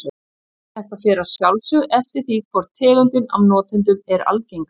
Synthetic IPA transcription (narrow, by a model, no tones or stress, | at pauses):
θɛht̪afɛːɾasjawlsʏɣɛft̪ɪɾ̥θikʰvɔɾ̥t̪ʰɛːlʏnt̪ɪna̰vnɔːt̪ɪnt̪̬ʏmɛɾa̰lcejŋk